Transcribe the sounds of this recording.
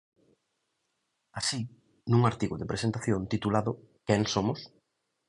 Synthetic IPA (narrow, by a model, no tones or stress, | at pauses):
asi | nuŋaɾt̪iɣʊðepɾesent̪aθjõnt̪it̪ulaðʊ | kɛŋsomʊs